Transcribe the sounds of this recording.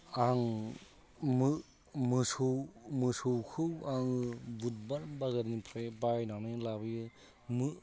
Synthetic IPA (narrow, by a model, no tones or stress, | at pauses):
aŋ | mɯ | mɯsɯwmɯsɯwkʰɯwaŋɯbut̚baɾmbaɡadnipʰɾabajnaŋnalabɯjɯ | mɯ